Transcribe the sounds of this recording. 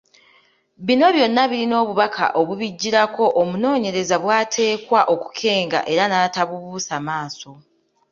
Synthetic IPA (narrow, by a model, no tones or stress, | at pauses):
βino̞βjo̞nːaβiɾino̞ːβuβakʰa̰ʔo̞βuβiɟːiɾako̞ʔomuno̞ːɲe̞ɾe̞zaβwaːtʰe̞ːkwaʔo̞ku̥kʰe̞ːŋɡa̰ʔe̞ɾanaːtaβuβuːsamaːso̞